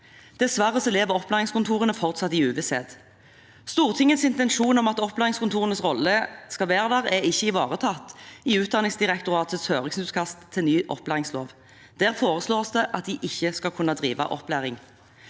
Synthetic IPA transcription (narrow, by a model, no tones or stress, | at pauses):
d̪̥ɛsʋæʁəsɛleːʋəʁɔplæːʁɪŋskʊnt̪ʰuːʁənəfɔʁt̪sɑt̪ːɪʉːʋəsḛːd̪ | st̪uːʁt̪ʰɪŋːət̪sɪnt̪ɛnʃuːnɔmɑt̪ɔplæːʁɪŋskʊnt̪ʰuːʁənəsʁɔlːəskɑlʋeːʁd̪æʁɛɪçːəɪʋɑːʁət̪ʰɑt̪ːɪʉːt̪̚d̪ɑnɪŋsd̪ɪʁɛkt̪ʊʁɑːt̪ʰət̪shøːʁɪŋsnʉːt̪kʰɑst̪ʰːɪlnyːʔɔ̰plæːʁɪŋslo̰ːʋ | d̪̥æːʁfoːʁəsloːʁsd̪ɛʔɑt̪̚d̪ɪʔɪçːəskɑkʰʉnːɑd̪ʁiːʋɑ̰ʔɔ̰plæːʁɪŋ